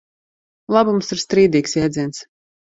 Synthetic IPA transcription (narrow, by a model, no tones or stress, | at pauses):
lˠabumsiɾst̪ɾiːd̪iːksjɛːd̪zʲiɛnt̪s